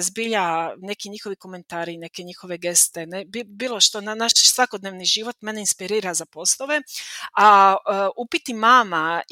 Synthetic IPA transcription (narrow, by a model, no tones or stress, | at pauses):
zbiʎane̞kiɲixo̞ʋiko̞me̞nt̪aːɾine̞keɲixo̞ʋe̞ɡe̞st̪enebibiːlˠo̞ʃt̪onnaʃsʋakod̪neʋniʒiʋo̞t̪me̞neinspiɾiːɾazapo̞slˠoʋe̞a | upit̪imaːma